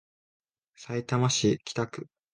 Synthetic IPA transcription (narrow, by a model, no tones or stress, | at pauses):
sait̪amaɕikʲʰi̥t̪akɯ̟